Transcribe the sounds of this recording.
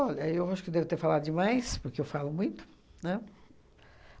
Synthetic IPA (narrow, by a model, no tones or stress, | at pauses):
ɔʎɐewaʃʊ̥kɪd̪ɛvɪt̪eɾfalad̪ʊd͡ʒɪmajspʊɾkeewfalʊmũj̃t̪ʊ̥ | nɛ